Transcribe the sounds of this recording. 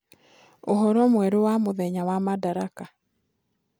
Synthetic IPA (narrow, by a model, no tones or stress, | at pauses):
oɦɔɾɔmwɛɾowamoðɛɲawamadaɾaka